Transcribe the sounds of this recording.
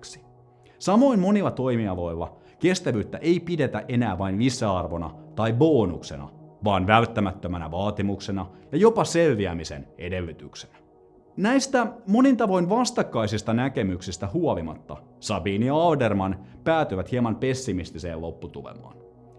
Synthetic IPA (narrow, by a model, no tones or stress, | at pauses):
ksi̥ | sɑmo̞inmo̞nilːɑt̪o̞jmiɑlo̞jlːɑ | ke̞st̪æʋyːt̪ːæʔe̞jpide̞t̪æʔe̞næːʋɑinisːæɑrʋo̞nɑ̰t̪ɑjbo̞ːnṵkse̞̰nɑ̰ʋɑːnʋælt̪ːæmæt̪ːømænæ̰ʋɑːt̪imukse̞nɑjɑjo̞pɑselːiæmise̞̰ne̞de̞lːyt̪yksenæ | næjst̪æmo̞nint̪ɑʋo̞inʋɑst̪ɑkːɑjsist̪ɑnæke̞myksist̪æhuolimɑ̰t̪ːɑ̰ | sɑbiːnjɑɑldermɑnpæːt̪yjʋæt̪hiɑmɑnpe̞sːimist̪ise̞̰ːlo̞pːut̪ulḛmɑ̰ːn